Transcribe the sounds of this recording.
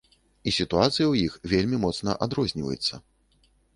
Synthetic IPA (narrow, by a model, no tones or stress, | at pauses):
isʲit̪uat̪sɨjɐwjixvʲelʲmʲimɔt̪snɐ̰ʔad̪ɾɔzʲnʲivɐ̰jṵt̪sːɐ